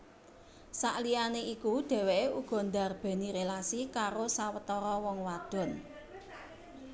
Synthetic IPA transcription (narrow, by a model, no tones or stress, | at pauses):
saʔlianeikuɖ̥ɛ̤weʔeuɡ̥ɔ̤nd̪a̤rb̥e̤niɾelasikaɾosawət̪ɔɾɔwɔŋwad̥ɔ̤n